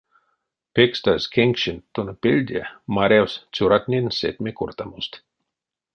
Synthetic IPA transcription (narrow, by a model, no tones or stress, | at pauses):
pekst̪askʲʰeŋkʃint̪ːonpelʲd̪ʲamaɾʲawst͡sʲuɾat̪ʲnʲensḛt̪ʲmʲekurt̪amust̪